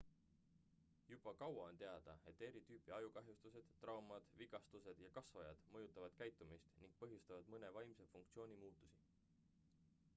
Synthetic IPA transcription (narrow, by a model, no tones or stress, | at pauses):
jub̥ɑkɑwɑo̞nt̪e̞ɑd̪̥ɑ̰e̞t̪ːˑe̞ɾit̪yːpiɑjukɑɦjust̪use̞d̪̥t̪ːrɑwmɑd̪̥viɡ̥ɑst̪use̞d̪̥jɑkɑsvɑjɑ̰d̪̥mɤjut̪ːˑɑvɑd̪̥kæjt̪ːˑumist̪niŋɡ̥̚pɤɦjust̪ɑvɑd̪̥mɤne̞vɑjmse̞fuŋk̚t̪sio̞ːnʲimuːt̪ːˑu̥si